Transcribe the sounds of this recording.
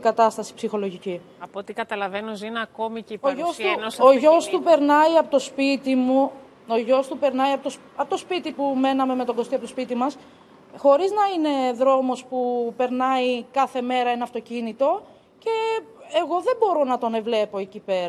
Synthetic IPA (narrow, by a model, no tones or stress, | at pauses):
ɡɐt̪ɐst̪ɐsi̥psixo̞lo̞ʝici | ɐpot̪ikɐt̪ɐlɐvenuzinɐko̞micioʝost̪uoʝo̞st̪upe̞ɾnɐiɐpot̪o̞spit̪imu | o̞ʝo̞st̪upe̞ɾnɐiɐpoo | ɐpot̪ospit̪ipume̞nɐme̞me̞t̪o̞ŋɡo̞st̪iɐpot̪ospit̪imɐs | xo̞ɾiznɐine̞ðɾo̞mo̞spupe̞ɾnɐikɐθe̞me̞ɾɐenɐft̪ocinit̪o̞ | ce̞ːɣo̞ðe̞bo̞ɾo̞nɐt̪o̞ne̞vle̞po̞ecipe̞ɾɐ